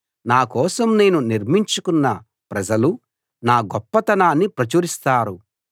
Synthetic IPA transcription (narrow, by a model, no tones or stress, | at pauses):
naːkɔːsɐmne̞ːnuniɾmiɲt͡ʃukunːɐ | pɾɐd͡ʒɐlu | naːɡɔpːɐt̪ɐnaːnːipɾɐt͡ʃuːɾist̪aːɾu